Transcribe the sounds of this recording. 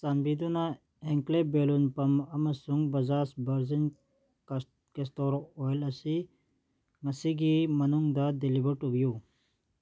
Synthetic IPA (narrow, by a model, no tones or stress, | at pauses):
sanbiːd̪una | eŋklebeːlunpɐmɐmɐsuŋɡbɐzaːsbɐɾzin | kest̪oːɾooːjlɐsi | ŋɐsiɡimɐnuŋɡd̪ɐd̪ilibəɾʈubjuː